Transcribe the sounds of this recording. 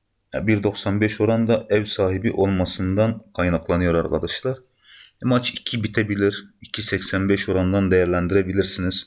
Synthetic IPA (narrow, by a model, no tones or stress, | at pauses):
a̰biɾd̪o̞ksanbɛʃo̞ɾand̪aʔɛvsaːɦibiʔo̞lˠmasɯnd̪ankʰajnaklˠanɯjo̞ɾa̰ɾkʰad̪aʃlˠaɾ | mat͡ʃʰicʰibit̪ʰebilʲiɾicʰisɛcsænbɛʃo̞ɾand̪and̪e̞jæɾlʲænd̪iɾebilʲiɾsiniz̥